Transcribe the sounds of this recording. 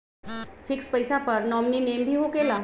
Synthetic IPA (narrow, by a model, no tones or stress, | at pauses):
fɪkspəjsapəɾnɔmninembʱiːɦokela